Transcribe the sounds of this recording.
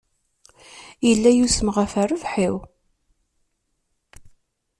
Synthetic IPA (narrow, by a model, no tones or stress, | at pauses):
jəlːæjusəməʁæfærəvħiw